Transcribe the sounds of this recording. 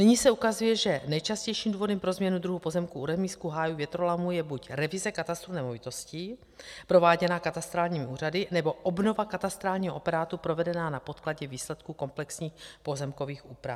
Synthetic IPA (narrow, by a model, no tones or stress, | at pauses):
nɪɲisɛukazujɛʒɛnɛjt͡ʃascɛjʃiːmduːvo̞dɛmpɾo̞zmɲɛnud̪ɾuɦupo̞zɛmkuuɾɛmiːskuɦaːjuvjɛt̪ɾolamujɛbucɾɛvɪzɛkat̪ast̪ɾunɛmovɪt̪o̞scɪ | pɾo̞vaːɟɛnaːkat̪ast̪ɾaːlɲiːmɪuːradɪnɛbo̞ʔobno̞vakat̪ast̪ɾaːlɲiːɦoʔopɛɾaːt̪upɾo̞vɛdɛnaːnapo̞t̪klaɟɛviːslɛt̪kuko̞mplɛksɲiːxpo̞zɛmko̞viːxuːpɾa